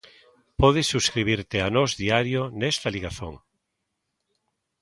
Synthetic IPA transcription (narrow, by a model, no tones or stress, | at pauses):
pɔð̞esːuskɾiβ̞iɾt̪eanɔzðiaɾjonɛst̪aliɣaθo̰ŋ